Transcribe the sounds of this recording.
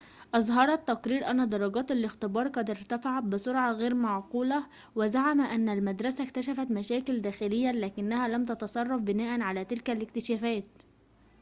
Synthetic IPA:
ʔɑzˤɦɑɾˤɑt̪ːɑqɾiːɾʔænːæd̪ɑɾˤɑɡɑːt̪alɪxt̪ɪbɑːɾˤqɑd̪ɪɾt̪æfaʕat̪̚bɪsʊɾʕɑɣeːɾmaʕquːlæ | wɪzaʕamæʔænːælmæd̪ɾˤɑsækt̪æʃæfæt̪mæʃæːkɪld̪æːxɪlɪjːælæːkɪnːæhæːlæmt̪ɑt̪ɑsˤɑrˤːɑfbɪnæːʔænʕalæːt̪ɪlkælɪk̚t̪ɪʃæːfæːt̪

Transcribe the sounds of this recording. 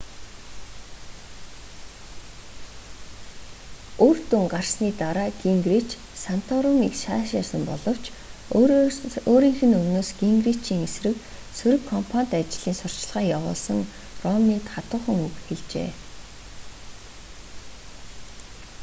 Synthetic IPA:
ort̪uŋɢarsniːt̪aɾaːɡiŋɡrit͡ɕ | san̥t̪ʰɔɾʊmikʃaːʃasə̆mpɔɮɞ̆w̥t͡ɕʰ | oːɾiːŋxɘ̆nɵmnoːsɡiŋɡrit͡ɕiːŋesrɘ̆k | sɵɾɘ̆kʰːɔmpʰanʲt̪at͡ɕɪɮ̥iːnsʊr̥t͡ɕɮʁaːjawʊ̰ːɮsə̆ŋ | rɔmniːt̪χat̪ʊ̆ːχə̆ŋukxeɮt͡ɕḛː

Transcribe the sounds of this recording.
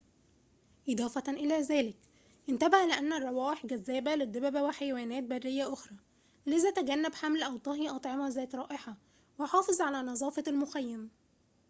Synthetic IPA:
ʔed̪ˤɑːfɑʔɪlæːzæːlɪk | ʔɪnt̪æbahlɪʔænːærˤːɑwɑːʔeħɡæzːæːbælɪd̪ːebæbæweħajæwæːnæːt̪̚bærːɪjːæʔoxɾˤɑː | lezæt̪æɡænːæbħamlʔæwt̪ˤɑɦiʔɑt̪ˤʕemɑzæːt̪ɾˤɑːʔeħɑ | weħɑːfezˤʕalæːnɑzˤɑːfɑlmoxæjːæm

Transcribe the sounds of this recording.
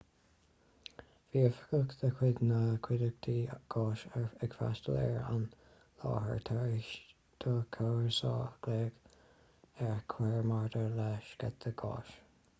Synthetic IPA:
v̥iəfə̥ɡəkðəkʰwɪd̪nəkʰwɪd̪əɡ̚t̪ʰiɡ̥ɑːʃɛɹəɡfa̰st̪əlɛ̰ɹa̰n | lɑ̰ːɦə̰ɹt̪ʰaɹɪʃ | t̪ʰəkʰaɹsɑ̰ːɡ̥leːɡ̥ | ɛɹkʰwɛɹmaɹd̪əɹlɛʃɡ̥a̰t̪̚əɡɑ̰ːʃ

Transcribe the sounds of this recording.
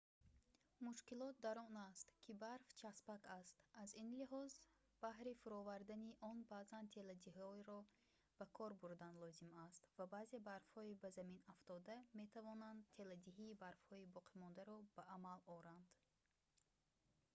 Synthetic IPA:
muʃkilɔt̪̚d̪aɾɔnast̪kʰibaɾft͡ʃʰaspakast̪azinliɦɔz | b̥ahɾifuɾɔvaɾd̪aniʔɔnbazant̪ʰe̞lad̪iɦɔɾɔ | b̥ækʰɔɾbuɾd̪anlɔzimast̪vabaːze̞baɾfhɔibazaminaft̪ɔd̪ame̞t̪ʰavɔnand̪t̪ʰe̞lad̪iɦiːbaɾfhɔibɔqʰimɔnd̪aɾɔbaʔːmalɔɾand̪̥

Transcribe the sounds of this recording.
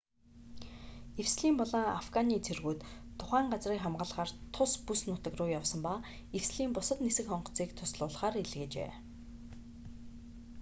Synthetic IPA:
iwsɮiːmpɔɮə̆ŋa̰fɡaniːt͡sʰerɣuːt̪ʰːʊχæːɴɢat͡sriːkχamɢə̆ɮʁaːrt̪ʰʊspusnʊt̪ə̆krʊːjawsə̆mpa | iwsɮiːmpʊsə̆t̪nesɘ̆kχɔɴɢ̆ʰt͡siːkt̪ʰʊsɮʊːɮχaːɾeɮɣeːt͡ɕḛː

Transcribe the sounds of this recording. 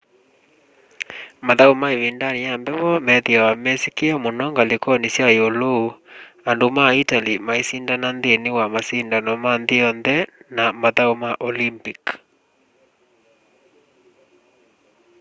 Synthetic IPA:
maðaumaeβindaniambɛwɔmɛðiawamɛsikiamonɔŋɡalekɔnisjajolo | andomaitalimaisindananðenewamasindanɔmanðeɔnðɛnamaðaomaʔɔlimpik

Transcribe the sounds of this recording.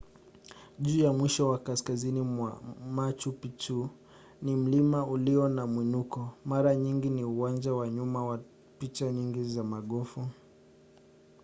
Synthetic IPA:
ʄuːjamwiʃɔwakaskaziniamat͡ʃupit͡ʃu | nim̩limauliɔnamwinukɔmaɾaɲiŋɡiniuwand͡ʒawaɲumawa | pit͡ʃaɲiŋɡizamaɠɔfu

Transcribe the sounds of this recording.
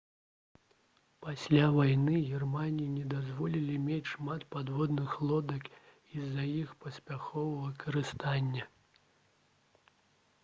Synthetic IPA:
pasʲlʲavajnɨɣʲɛrmanʲijinʲɛd̪azvɔlʲilʲimʲet͡sʲʂmat̪pad̪vɔd̪nɨxlˠɔd̪ɐk | izɐjixpɐsʲpʲaxɔvɐvɐkɐɾɨst̪anʲːɐ

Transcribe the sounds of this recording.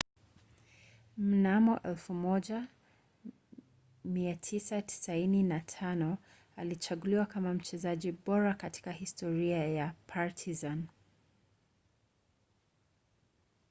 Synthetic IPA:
m̩namɔʔɛlfumɔʄa | miatʰisati̥saininatʰanɔ | alit͡ʃaɠuliwakamam̩t͡ʃɛzaʄiɓɔɾakati̥kahistɔɾiajapʰaɹtʰizan

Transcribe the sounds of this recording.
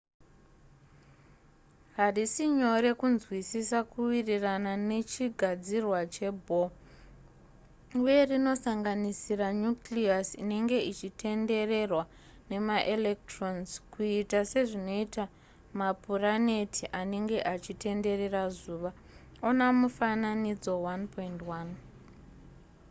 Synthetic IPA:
ɦarisiɲo̞ɾe̞kunzwisisakuwiriranane̞t͡ʃiɡʱad͡zirwat͡ʃe̞bʱo | uje̞rino̞saŋɡanisiraɲukliasine̞ŋɡe̞it͡ʃitʰe̞nde̞re̞rwa | ne̞maʔelek̚tronzkuitase̞ʐino̞ita | mapurane̞tʰiʔane̞ŋɡe̞ʔat͡ʃite̞nde̞re̞razuːʋa | onamufananid͡zo̞wanpointwan

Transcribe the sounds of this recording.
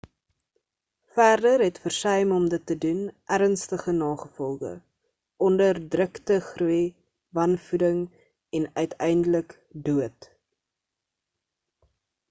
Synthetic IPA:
fæːrdərɦɛtfərsœjmɔmdətːədunʔæɾənstəχənɑːχəfɔlˠdə̰ | ʔɔndərdrəktəχruj | vɐnfudəŋ | ɛnœɥtʰɛjndələk | duət

